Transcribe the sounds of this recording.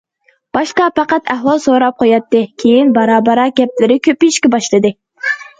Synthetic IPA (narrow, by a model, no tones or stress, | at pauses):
b̥ɑʃqɑpɑqɑt̪ʰæɦwɑlˠsoɾɑp̚qʰojɑt̪ːɨkʲʰejinbɑɾɑːbɑɾɑɡʲɛplɪɾɪkʲʰøpiiʃkʲɛbɑʃlˠɨd̪ɨ